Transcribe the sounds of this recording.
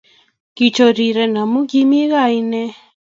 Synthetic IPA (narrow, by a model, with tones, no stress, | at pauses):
ki˨t͡ʃo˨ɾi˨ɾɛ˨na˨mu˦ɡi˦mi˦ɣa˦i˦nɛ˦